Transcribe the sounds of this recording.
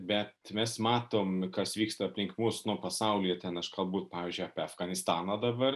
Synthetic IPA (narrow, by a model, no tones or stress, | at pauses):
bʲɛt̪mʲɛsmɑːt̪oːmkɐsʋʲiːkst̪ɐɐpʲlʲɪŋkmusnʊpɐsɑʊlʲijɛt̪ʲɛnɐʃkɐlˠbuːt̪pɑːʋʲiːzʲd͡ʒʲʊjɑːpʲeɐfɡɐnʲɪst̪ɑːnɐd̪ɐbɐr